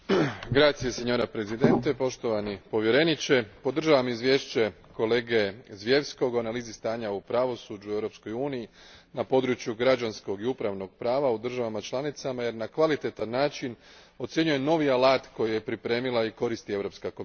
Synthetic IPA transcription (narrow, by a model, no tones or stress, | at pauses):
ɡɾaːt̪sijeseɲo̞ɾapɾe̞zid̪e̞nt̪e̞po̞ʃt̪o̞ʋanipo̞ʋje̞ɾe̞nit͡ɕe̞po̞d̪r̩ʒaʋamizʋje̞ːʃt͡ɕe̞ | ko̞le̞ːɡe̞zʋje̞ʋsko̞ɡuanaliːzist̪aːɲaupɾaʋo̞suːd͡ʒue̞ʋɾo̞psko̞juːniji | napo̞d̪ɾut͡ʃjuɡɾad͡ʒansko̞ɡiupɾaʋno̞ɡ̥̚pɾaːʋaud̪r̩ʒaʋamat͡ʃlˠanit̪samaje̞ɾnakʋalit̪e̞t̪anːaːt͡ʃin | o̞t̪sje̞ɲuje̞no̞ʋialaːt̪ko̞jije̞pɾipɾe̞ːmilˠaiko̞ɾist̪ie̞ʋɾo̞pskako̞m